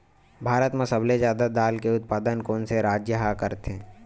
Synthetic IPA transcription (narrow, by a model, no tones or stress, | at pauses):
bʱaːɾət̪mẽsɐblezjaːd̪ad̪aːlkeʊt̪̚paːd̪ənkoːnseɾaːd͡ʒjəɦakəɾt̪ẽː